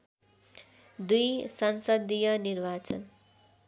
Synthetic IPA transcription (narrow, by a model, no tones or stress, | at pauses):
d̪ujsʌnsʌd̪ijʌnirbat͡sʌn